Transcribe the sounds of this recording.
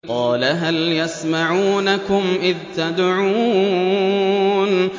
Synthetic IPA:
qɑːlaɦaljasmaʕuːnakʊmʔɪðt̪ad̪ʕuː | n

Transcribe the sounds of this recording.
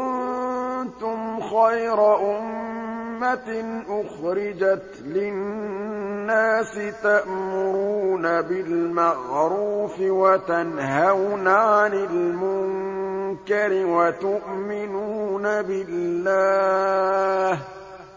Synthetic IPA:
kʊn | t̪ʊmxajɾɑʔʊmː | aʔʊxɾɪd͡ʒat̪lɪnː | aːsɪt̪aʔmʊɾuːnabɪlmaɣɾuːfɪwat̪anhawnaʕanɪlmʊŋkaɾɪwat̪ʊʔmɪnuːnabɪlːaː | h

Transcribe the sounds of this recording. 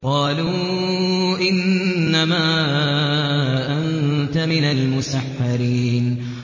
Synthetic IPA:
qɑːluː | ʔɪnːamaː | ʔant̪amɪnalmʊsaħːɑɾiːn

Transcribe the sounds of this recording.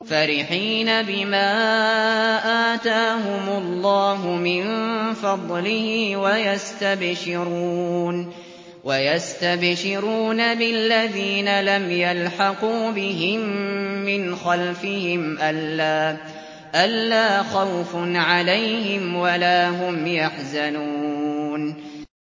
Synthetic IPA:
faɾɪħiːnabɪmaː | ʔaːt̪aːɦʊmʊlːɑːɦʊmɪnfɑd̪ˤlɪhiːwajast̪abʃɪɾuːn | wajast̪abʃɪɾuːnabɪlːaðiːnalamjalħɑquːbɪɦɪmːɪnxalfɪhɪmʔalːaː | ʔalːaːxawfnʕalajhɪmwalaːɦʊmjaħzanuːn

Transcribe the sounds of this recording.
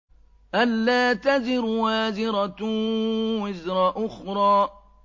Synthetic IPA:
ʔalːaːt̪azɪɾwaːzɪɾa | wɪzɾɑʔʊxɾˤɑː

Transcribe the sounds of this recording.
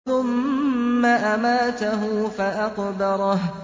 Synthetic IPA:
ʊmː | aʔamaːt̪aɦʊːfaʔaqd̪ɑɾˤɑɦ

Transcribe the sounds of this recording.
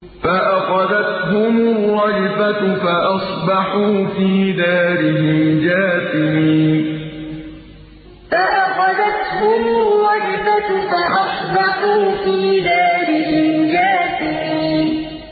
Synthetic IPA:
faʔaxɑðat̪ɦʊmʊrˤːɑjfatfaʔɑsˤbɑħuːfiːd̪aːɾɪhɪmd͡ʒaːsɪmiiːn | faʔaxɑðat̪hʊmʊrˤːɑjfafaʔɑsˤbɑħuːfiːd̪aːɾɪhɪmd͡ʒaːsɪmiːn

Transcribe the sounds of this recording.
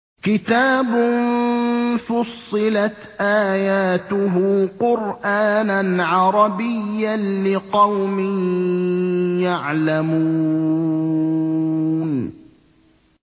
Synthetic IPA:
kɪt̪aːbʊn | fʊsˤːɨlat̪ʔaːjaːt̪ʊɦʊːqʊɾʔaːnanʕɑɾˤɑbɪjːanlɪqɑwmɪn | jaʕlamuː | n

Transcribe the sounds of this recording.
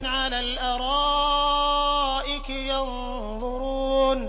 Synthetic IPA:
nʕalaːlʔaɾˤɑː | ʔɪk | jɑn | ðˤʊɾuːn

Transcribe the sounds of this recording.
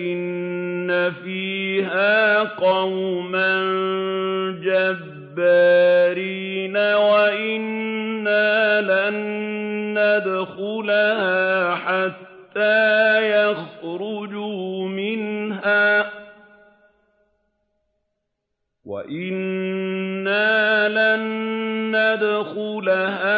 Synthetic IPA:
ʔɪnːafiːɦaːqɑwman | d͡ʒabbːaɾiːnawaʔɪnːaːlanː | ad̪xʊlahaːħat̪ːaːjaxɾʊd͡ʒʊmɪnɦaː | wa̰ʔɪnː | aːlanː | ad̪xʊlahaː

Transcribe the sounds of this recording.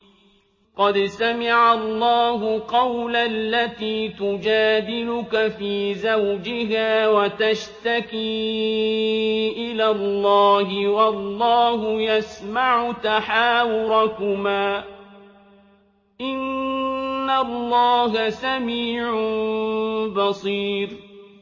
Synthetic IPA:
qɑd̪samɪʕalˤːɑːɦʊqɑwlalːat̪iːt̪ʊd͡ʒaːd̪ɪlʊkafiːzawd͡ʒɪɦaːwat̪aʃt̪akiː | ʔɪlaːlːɑːhɪwɑlːɑːɦʊjasmaʕʊt̪aħaːwʊɾakʊmaː | ʔɪnː | alˤːɑːɦasamiːʕʊ | bɑsˤiːɾ

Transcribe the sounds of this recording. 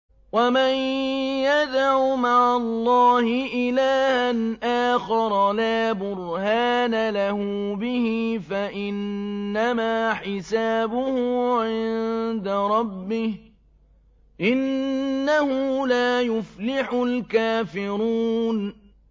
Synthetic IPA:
wamanjad̪ʕumaʕalˤːɑːhɪʔɪlaːhanʔaːxɑɾˤɑlaːbʊɾhaːnalahʊbɪhɪfaʔɪnːamaːħɪsaːbʊhʊʕɪnd̪aɾˤɑbːɪh | ʔɪnːahʊlaːjʊflɪħʊlkaːfɪɾuːn

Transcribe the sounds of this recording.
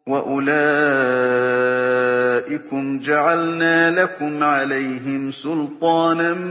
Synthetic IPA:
waʔʊlaː | ʔɪkʊmd͡ʒaʕalnaːlakʊmʕalajɦɪmsʊlt̪ˤɑːna

